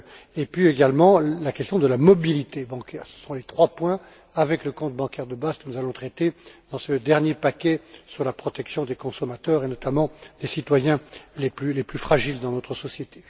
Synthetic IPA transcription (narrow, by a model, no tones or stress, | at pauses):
epɥieɡalmɑ̃lakʲɛst̪jɔ̃d̪əlamɔbilit̪ebɑ̃kʲɛːʁsə̥sɔ̃let̪χwapwɛ̃ | avɛkləkɔ̃t̪bɑ̃kʲɛʁd̪əbazkənuzalɔ̃t̪χɛt̪ed̪̥ɑ̃səd̪ɛʁnjepakʲɛsyʁlapχɔt̪ɛksjɔ̃d̪ekɔ̃sɔmat̪œːʁenɔt̪amɑ̃d̪̥esit̪wajɛ̃leplyleplyfχaʒild̪ɑ̃nɔt̪χəsɔsjet̪e